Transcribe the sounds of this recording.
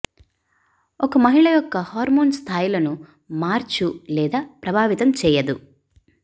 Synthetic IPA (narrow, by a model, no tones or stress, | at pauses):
ɔkɐmɐɦiɭɐjɔkːɐhaːɾmoːnst̪ʰaːjilɐnu | maːɾt͡ʃulɛːd̪aːpɾɐbʱaːʋit̪ɐmt͡ʃɛːjɐd̪u